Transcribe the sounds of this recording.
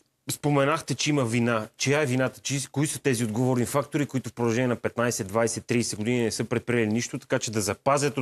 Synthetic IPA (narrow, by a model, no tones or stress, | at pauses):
spomɛnaxt̪ɛt͡ʃɛimɐvinat͡ʃɛjaɛvinat̪ə̥t͡ʃikoisət̪ɛziod̪ɡovoɾnifak̚t̪oɾikoit̪ʊfpɾod̪ɐlˠʒɛnʲiɛnɐpɛt̪najsɛd̪vajsɛt̪ːɾiːsɛɡod̪ininɛsɤpɾɛt̪̚pɾʲijɛliniʃt̪ot̪ɐ̥kat͡ʃɛd̪ɐzɐpazʲjɐt̪o